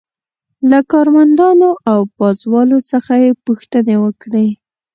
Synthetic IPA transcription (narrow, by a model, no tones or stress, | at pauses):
lakɑɾmand̪ɑnoʔawpɑzwɑlot͡səxajepuxt̪ənewəkɽe